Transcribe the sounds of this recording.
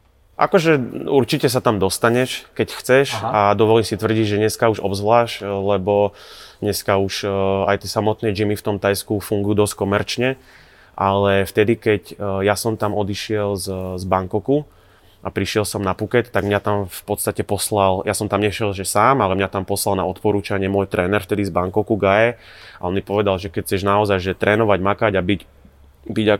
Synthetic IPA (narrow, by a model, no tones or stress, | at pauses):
ʔa̰kɔʒɛuɾt͡ʃicɛs̬at̪amd̪ɔst̪aɲɛʃkɛcxt͡sɛʃad̪ɔʋɔliːmsit̪ʋr̩ɟiɟʒɛɲɛskauʒɔ̰bzʋlaːʃlɛbɔɲɛskauʃa̰jt̪ɪɛsamɔt̪nɛːd͡ʒimift̪ɔmt̪ajskufuŋɡujuːd̪ɔsc̚kɔmɛɾt͡ʃɲɛ | ʔalɛft̪ɛd̪ikɛcjasɔmt̪amɔd̪iʃɪɛlzzbaŋkɔku | ʔapɾiʃɪɛlsɔmnapukɛt̪t̪ːaɡmɲat̪amfpɔt̪st̪acɛpɔslaljasɔmt̪amɲɛʃɛlʒɛsaːmalɛmɲat̪ampɔslalna̰ɔt̪pɔɾuːt͡ʃaɲɪɛmʊɔjt̪ɾɛːnɛɾft̪ɛd̪izbaŋkɔkuɡajɛaɔnmipɔʋɛd̪alʒɛkɛc̚t͡sɛʒnaɔzajʒɛt̪ɾʔɛːnɔʋaɟmakaɟabiɟ | biɟa